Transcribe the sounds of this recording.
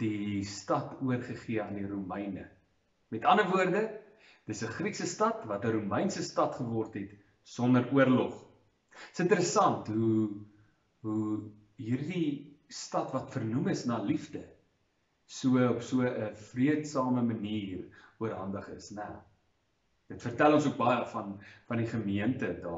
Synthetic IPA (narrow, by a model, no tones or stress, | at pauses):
d̥istɐtuərχəχiəɐndiɾumɛjnə̰ | mɛtɐnəvuərdə | d̥əsəχriksəstɐtvɐtəɾumɛjnsəstɐtχəvɔrtɦɛt | sɔndəɾuərlɔχ | əsəntəɾəsɐntɦu | ɦu | ɦiːrdistɐtvɐtfərnuməsnɑːlifdə | suəɔpsuəəfriətsɑːməməniːruərɦɐndəχəsnəw | d̥ətfərtælˠɔnsuək̚bɐjəfɐnfɐndiχəmiəntədɑː